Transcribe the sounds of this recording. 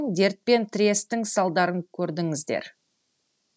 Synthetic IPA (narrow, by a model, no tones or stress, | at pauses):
ŋd̪e̞ɾt̪̚pe̞nt̪ʰɪɾʲe̞st̪ɪŋsɑlˠd̪ɑɾəŋkʲʰɵɾd̪ɪŋɪzd̪ḛɾ